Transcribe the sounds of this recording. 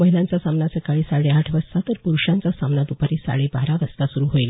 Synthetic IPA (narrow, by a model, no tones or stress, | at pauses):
məɦilãnt͡sasamnasəkaɭiːsaɭeaʈʰʋəd͡zsat̪əɾpuɾuɕãnt͡sasamnat̪upaɾiːsa̰ɭebaɾaʋəst̪asuɾuːɦoil